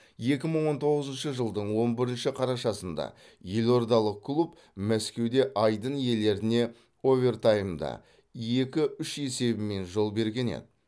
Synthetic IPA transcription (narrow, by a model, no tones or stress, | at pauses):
je̞kʲɪməɴwo̞nt̪ʰo̞ʁəzənʃəʒəlˠd̪əɴwo̞nbɪɾɪnʃɪqʰɑɾɑʃɑsənd̪ɑ̰ | je̞lo̞ɾd̪ɑlˠəq̚kʰːlˠup | mæskʲe̞wd̪e̞ʔɑjd̪ənje̞le̞ɾɪne̞ | o̞vʲe̞rt̪ajəmd̪ɑ̰ | je̞kʲɪʏʃe̞se̞bɪme̞nʒo̞lˠbe̞ɾɡʲe̞nḛd̪ɪ